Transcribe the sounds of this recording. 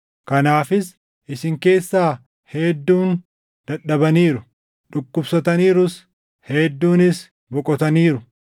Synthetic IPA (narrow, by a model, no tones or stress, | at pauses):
kɐnaːfɪs | ʔɪsɪŋke̞ːsːaː | hed̪ːuːn | d̪̥ɐᶑɐbɐniːɾʊ | ᶑʊkːʊbsɐt̪ɐniːɾʊs | hɛd̪ːuːnɪs | bɔkʼɔt̪ɐniːɾʊ